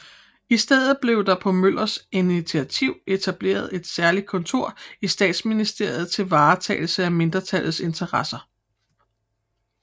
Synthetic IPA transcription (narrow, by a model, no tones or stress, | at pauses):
isd̥eð̰ˠð̩ˠb̥le̝ʊd̥ɑ̈pʰɒ̽møl̰ɐsinit͡sʰiæt͡sʰiʊ̰e̝t͡sʰæb̥le̝̰ːɐð̞ˠe̝d̥sæɐlid̥̚kʰɔ̽nt͡sʰo̝ɐ̰isd̥ɛ̰ːd̥sminisd̥e̝ɐ̰jð̩ˠt͡sʰe̝lʋɑ̈ːt͡sʰɛ̰ɪl̩səæme̝nd̥ʁɐt͡sʰælð̩ˠse̝nt͡sʰɐʁɑsɐ